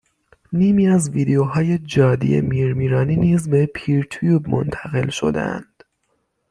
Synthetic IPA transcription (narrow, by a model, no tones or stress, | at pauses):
niːmiːæzviːd̪ejoɦɒːje̞d͡ʒɒːd̪ḭjḛmiːɾmiːɾɒːniːniːzbe̞pʰiːɾt̪ʰujuːbmo̰nt̪ʰæɣe̞lʃo̰d̪ḛæ̰nd̪̥